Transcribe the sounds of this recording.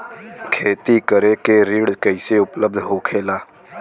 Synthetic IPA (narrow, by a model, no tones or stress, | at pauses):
kʰeːt̪ikəɾekeɾiːɽkəɪseʊpləb̚d̪ʱɦoːkʰeːlaː